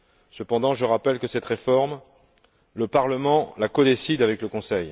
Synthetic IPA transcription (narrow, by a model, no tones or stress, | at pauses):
səpɑ̃d̪ɑ̃ʒəʁapɛlkəsɛt̪ʁefɔʁm | ləpaʁləmɑ̃lakɔd̪esid̪avɛkləkɔ̃sɛj